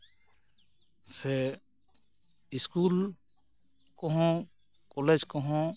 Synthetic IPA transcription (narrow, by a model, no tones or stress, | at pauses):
sɛ | iskul | kɔɦɔ̃ | kɔled͡ʒkɔɦɔ̃